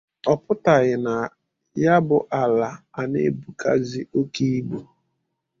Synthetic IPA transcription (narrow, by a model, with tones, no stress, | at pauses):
ɔ˨pʊ˦ta˨ɣɪ˨na˨ | ja˦bʊ˨ʔa˨la˨a˨nḛ˦bu˨kʰa̰˦zi˦o˦ki˦i˦ɡ͡bu˨